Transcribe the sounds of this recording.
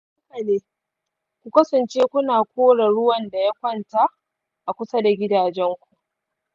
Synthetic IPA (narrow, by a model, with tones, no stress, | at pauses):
kɐ˨leː˦ | kʷu˨kɐ˦sɐ˨nt͡ʃeː˦kʷʊ˦naː˨kʷoː˦ɽa˨ɽʊ˦wɐ˨nda˨ja˦kʷɐ˦nta˦˨ʔ | ʔa˨kʷʊ˦sɐ˦da˨ɡʲɪ˦daː˨d͡ʒɛ˦ŋkʷu˨ʔ